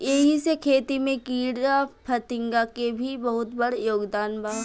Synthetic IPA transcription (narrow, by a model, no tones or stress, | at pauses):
jeɦisekʰeːt̪imẽkiːɽapʰɐt̪ɪ̃ŋɡakebʱibɐɦʊt̪bɐɽjoːɡd̪aːnbaː